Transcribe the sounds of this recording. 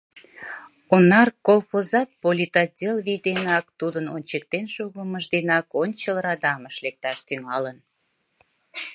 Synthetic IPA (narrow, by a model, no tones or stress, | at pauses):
onɑrkolˠxozɑt̪̚polʲit̪ɑt̪̚dʲelβid̪enɑkt̪ud̪ənonʲt͡ɕəkt̪enʃoɣəməʒd̪enɑkonʲt͡ɕəlˠrɑd̪ɑməʃlek̚t̪ɑʃt̪yŋɑlən